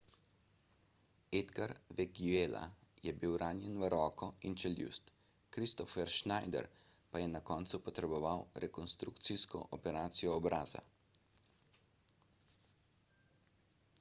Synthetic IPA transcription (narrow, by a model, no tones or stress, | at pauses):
ed̪ɡaɾʋɛɡiela̰jɛbiwɾaːnjɛnʋəɾɔːkɔint͡ʃɛljṵst̪ | kɾist̪ɔfɛɾʃnajd̪ɛ̰ɾ | pajɛnakɔːnt̪supɔt̪ɾɛbɔʋawɾɛkɔnst̪ɾukt̪siskɔ̰ʔɔpɛɾaːt̪sijɔːbɾaːza̰